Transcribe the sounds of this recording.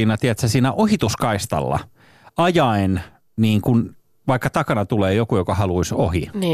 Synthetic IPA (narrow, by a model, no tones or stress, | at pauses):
iːnɑt̪iæt̪sæsiːnæʔohit̪uskɑist̪ɑ̰lːɑ̰ | ɑjɑin | niːŋkun | ʋɑikːɑt̪ɑkɑnɑt̪uleːjokujokɑhɑluisohin